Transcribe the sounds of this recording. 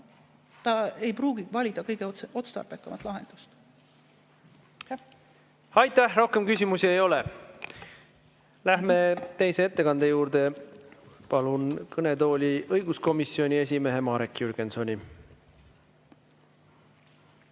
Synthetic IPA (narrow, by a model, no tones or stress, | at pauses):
t̪ɑe̞jpruːɡ̥iɡ̥vɑlʲid̪̥ɑkɤjɡ̥eo̞t̪st̪ɑ̰rpekˑːɑmɑt̪ːˑlɑɦend̪̥u̥st̪ | ɑjt̪ːæhro̞hke̞mkys̬ʲimusie̞jo̞le | læɦme̞t̪e̞jse̞e̞t̪ːe̞kɑnd̪̥e̞juːɾd̪̥e̞ | pɑlunkɤne̞t̪o̞ːlʲiʔɤjɡ̥usko̞misio̞nʲie̞s̬ʲime̞ɦe̞mɑːɾekːjyrɡ̥enso̞nʲi